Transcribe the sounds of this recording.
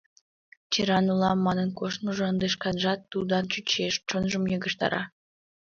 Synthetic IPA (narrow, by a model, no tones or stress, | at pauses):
t͡ɕiɾɑnulˠɑmːɑnə̆nkoʃmuʒɤ̆ənd̪eʃkɑnʒɑt̪ːud̪ɑnt͡ɕyt͡ɕeʃt͡ʃonʒə̆mjɤɡə̆ʃt̪ɑ̰ɾɑ̰